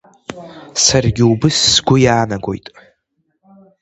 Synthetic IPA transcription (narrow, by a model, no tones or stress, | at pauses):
sarɡʲɪubɨsːɡʷʊjaːnaɡʷo̞̰jtʼ